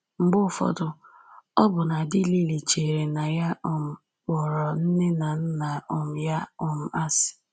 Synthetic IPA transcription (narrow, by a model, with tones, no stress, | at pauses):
ŋ͡m̩˨ɡ͡bʊ˦˨fɔ̰˦dʊ˨ | ɔ˦bʊ˨na˨dɪ˦li˦li˨t͡ʃe˨ɾe˨na˨ja˦ʔʊ˦˨m̩˨ | wɔ˨ɾɔ˨n̩˦ne˦na˨n̩˦na˨ʊ˨m̩˨ja˦ʊ˨m̩˨a˦sɪ̥˨